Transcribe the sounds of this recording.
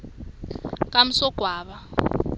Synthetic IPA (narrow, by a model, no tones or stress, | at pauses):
kʼam̩sɔɡ̥ʱwaːβa